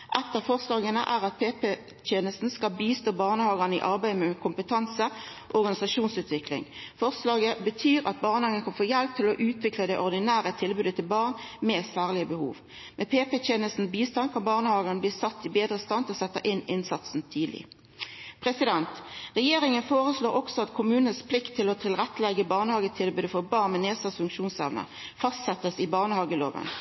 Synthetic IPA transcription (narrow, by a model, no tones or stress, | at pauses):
ʔɛt̪ːəʁfɔʁslɑːɡənə̰ʔæːʁɑt̪̚pʰeːpe | t̪ʰeːnəst̪n̩skɑlbiːst̪oːbɑːʁnəhɑːɡɑnəɪ̰ʔɑʁbæɪəmɛkʰʊmpət̪ʰɑnsə | ʔɔʁɡɑnɪsɑʃuːnsʉːt̪ʋɪklɪ̰ŋfɔʁslɑːɡəbət̪ʰyːʁɑt̪̚bɑːʁnəhɑːɡənkʰɑnfoːjɛlp̚t̪ʰɪlɔʔʉːt̪ʰʋɪkləd̪ɛʔɔʁd̪ɪnæːɾət̪ʰɪlbʉːd̪ət̪ʰɪlbɑːʁnmeːsæːʁlɪəbəhṵːʋ | mʔɛpʰeːpɛteːnəst̪n̩biːst̪ɑnkʰɑnbɑːʁnəhɑːɡənəbliːsɑt̪ːɪbeːd̪ʁəst̪ɑnt̪ɔsɛt̪ːəʔɪnɪnsɑt̪sn̩t̪ʰyːd̪lɪ̰ | pʰʁɛsɪd̪ɛnt̪ʁɛjeːʁɪŋənfoːʁəsloːʁɔksɔɑt̪kʰʊmʉːnənspʰlɪkt̪ʰːɪlɔt̪ʰɪlʁɛt̪ːəlɛɡəbɑːʁnəhɑːɡət̪ʰɪlbʉːd̪əfɔʁbɑːʁnmɛneːsɑsfʉŋkʃuːnsɛʋnə̰ | fɑst̪sɛt̪ːəsɪbɑːʁnəhɑːɡəlo̰ːʋə̰n